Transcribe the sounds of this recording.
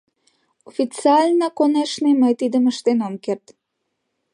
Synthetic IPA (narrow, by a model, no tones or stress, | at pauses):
ofit͡siɑlʲnakoneʃniməjt̪id̪əməʃt̪enomkert̪